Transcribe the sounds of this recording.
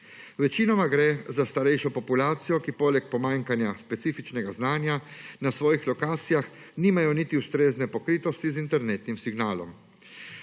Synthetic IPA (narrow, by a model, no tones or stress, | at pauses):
ʋɛt͡ʃinɔmaɡɾɛzast̪aɾɛjʃɔpɔpulaːt̪sijɔkipoːlɛk̚pɔmaːŋkanjaspɛt̪siːfit͡ʃnɛɡaznaːnjanasʋɔːjixlɔkaːt̪sijax | niːmajɔnit̪iust̪ɾeːznɛpɔkɾiːt̪ɔst̪izint̪ɛɾneːt̪nimsiɡnaːlɔ̰m